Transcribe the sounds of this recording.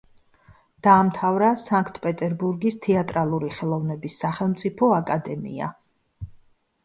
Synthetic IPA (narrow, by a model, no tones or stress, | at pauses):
d̪̥aːmt̪ʰavɾasaŋkʰt̪ʰpʼɛt̪ʼɛɾbuɾɡist̪ʰɛat̪ʼɾalˠuɾiχɛlˠɔvnɛbisːaχɛlˠmt̪sʼipʰɔakʼad̪ɛmḭa̰